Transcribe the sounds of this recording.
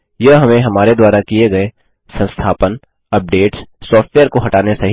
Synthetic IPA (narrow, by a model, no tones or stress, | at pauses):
jɐɦɐmẽɦɐmaːɾed̪waːɾakieɡɐe | sɐ̃nst̪ʰaːpən | ɐp̚ɖeːʈsːɔːfʈʋeːəɾkoɦɐʈaːnesɐɦ